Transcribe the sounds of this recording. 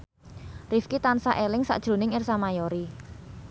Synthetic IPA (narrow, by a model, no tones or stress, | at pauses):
rifkit̪ansaʔelɪŋsa̰ʔd̥ʒ̥ɾo̤nɪŋɪrsamajoɾi